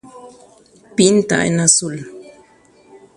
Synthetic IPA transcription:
pint̪a̰ʔḛnasul

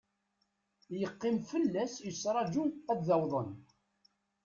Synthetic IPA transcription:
jəqːɪmfəlːæsjəsɾˤɑd͡ʒuæd̪ðæwðˤən

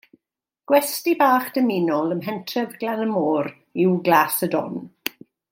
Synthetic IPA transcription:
ɡ̥wɛstibaːχd̥əminɔlˠəmɦɛntʰrɛvɡlanəmoːɾ | ɪwɡlaːsədɔ̰n

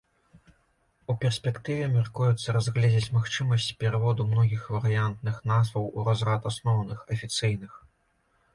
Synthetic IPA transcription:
upʲɛrsʲpʲɛkt̪ɨvʲɛmʲarkujut̪sːɐɾazɣlʲɛd͡zʲɛt͡sʲmaxt͡ʂɨmɐsʲt͡sʲpʲɛɾɨvɔd̪umnɔɣʲixvɐɾɨjant̪nɨxn̪azvɐwuɾazɾat̪asnɔwnɨxɐfʲit̪sɨjnɨx

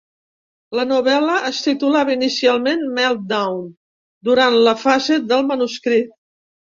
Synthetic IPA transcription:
lənuβɛləʔəst̪it̪ulaβəinisialˠmenmɛlˠt̪̚d̪awn | d̪uɾanləfazed̪əlˠmənuskɾit̪̚

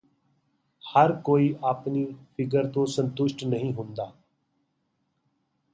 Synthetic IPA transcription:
həɾkoːiːʔaːpniːpʰɪkəɾt̪õːsə̃nt̪ʊʃʈnəɦĩːɦʊ̃nd̪aː

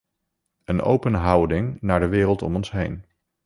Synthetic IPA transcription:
ənʔo̰wpənɦʌwdɪŋnaːɹdəʋɪːrəlˠtɔ̰mɔnsɦejn

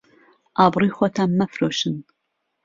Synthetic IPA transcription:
ʔaːbriːχʷɔtʰaːmːɐfroːʃɨn

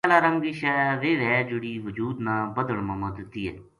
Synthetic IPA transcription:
ɛlaːɾəŋɡɪʃɛʋeːʋɛːd͡ʒʊɽiːʋəd͡ʒuːd̪nãːbəd̪əɭməməd̪ət̪iːɛ̰ː

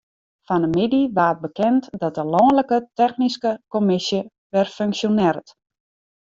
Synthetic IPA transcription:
fanəmidiʋaːət̚bəkɛntdɔt̚dəlɔːnləkətɛxniskəkomɪsjə | ʋɛrføŋksjonɪrət

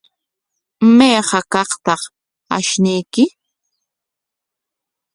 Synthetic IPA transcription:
meːɢɑkɑχt̪ɑχ | a̰ʃnɪjkɪ

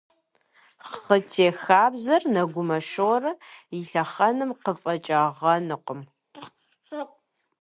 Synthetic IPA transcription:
χχətʰeːxaːbzɐrnɐɡʷʊmɐʃɨwɾɐjɪɬɐχɐnɨmqəfʼɐt͡ʃʼɐʁɐnɨqʷəm

